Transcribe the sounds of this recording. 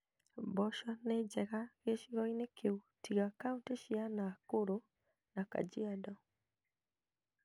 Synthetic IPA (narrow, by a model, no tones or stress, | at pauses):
bɔʃɔnɛd͡ʒɛɣaɣeʃiɣɔinekʰeutiɣakaunteʃianakoɾo | naka̰d͡ʒiadɔ